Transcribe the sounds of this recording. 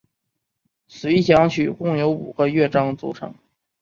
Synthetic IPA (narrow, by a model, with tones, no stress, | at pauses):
sɹe˧˥iɕjɑ˧˥ŋt͡ɕʰy˨˩kʊ˥˩ŋjo˧˥ʊṵ˨˩ɡ̥ə˧˦ɥɛ˥˩ʈ͡ʂɑ˥ŋt͡sṵ˧˥ʈ͡ʂʰɤ̰˧˥ŋ